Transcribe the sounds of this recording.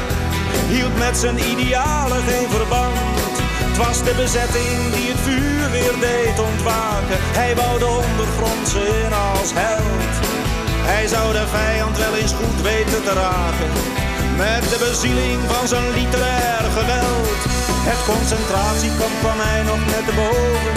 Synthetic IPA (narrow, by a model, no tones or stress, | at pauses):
ɦilˠtmɛtsənidejaːləχenvərbɑn | t | tʋɑzdəbəzɛtɪŋdiɦətfyːrʋɪːrdejtɔntʋaːkənɦɛjʋɑwdəɔndərχrɔntsənɑlˠsɦɛlˠt | ɦɛjzʌwdəvɛjɑntʋɛlejnsχutʋejtəntəraːkən | mɛt̚dəbəzilɪŋvɑnzonlitəɾɛːrχəʋɛlˠt | ɦətkɔnsɛntraːtsikɔmkʋɑmɦɛjnɔχnɛt̚dəbowvən